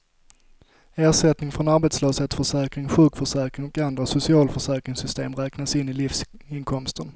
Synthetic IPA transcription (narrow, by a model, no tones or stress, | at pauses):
æːʂɛt̪nɪŋfɾɔnaɾbɛt̪sløːsheːt̪fœʂɛːkɾɪŋɧʉ̟ːkfœʂɛːkɾɪŋɔkand̪ɾasʊsɪɑːlfœʂɛːkɾɪŋsʏst̪eːmɾɛːknasɪnːɪlɪfsɪnkʰɔmst̪ən